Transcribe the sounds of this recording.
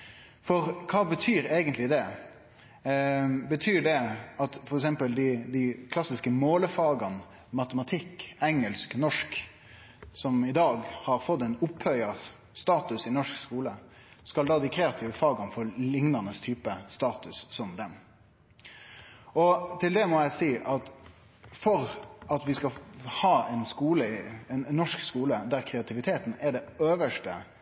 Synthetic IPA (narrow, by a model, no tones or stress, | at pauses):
fɔɾkʰɑːbət̪ʰyːɾeːɡənt̪lɪd̪ɛ | bət̪ʰyːɖɛɑt̪fɔɾɛksɛmpəld̪ɪd̪ɪkʰlɑsɪskəmoːləfɑːɡɑn | mɑt̪əmɑt̪ʰɪkːɛŋːəlsknɔʂk | sɔmɪd̪ɑːɡhɑɾfɔt̪ːɛnʊphœʏɑ | st̪ɑːt̪ʉsɪnɔʂkskuːlə | skɑld̪ɑːd̪ɪkʰɾɛːɑt̪ʰɪːʋəfɑːɡɑnfɔɾlɪŋnɑnəst̪ʰyːpəst̪ɑːt̪ʉsːɔmd̪ɛm | ʔɔt̪ʰɪld̪ɛmɔjæɪsiːʔɑt̪ | fɔɾɑt̪ʋɪskɑhɑːɛɪnskuːləɪɛnːɔʂkskuːləd̪æɾkʰɾɛɑt̪ʰɪʋɪt̪ʰeːt̪n̩ɛɖɛøːʋəʂʈə